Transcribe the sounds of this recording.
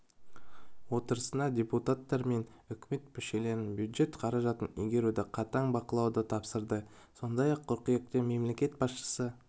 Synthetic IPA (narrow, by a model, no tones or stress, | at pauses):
wo̞t̪əɾəsənɑdʲe̞put̪at̪ːɑɾme̞n | ʏkʲme̞t̪mʏʃe̞le̞ɾɪnbjud̪ʒe̞t̪qʰɑɾɑʒɑt̪ənʏjɡʲe̞ɾud̪ɪqʰɑt̪ɑɴbɑqəlˠɑwd̪ət̪ʰɑpsəɾd̪ə | so̞nd̪ɑjɑqʰːʊɾqəjek̚t̪eme̞mle̞kʲe̞t̪̚bɑsʃə̥sə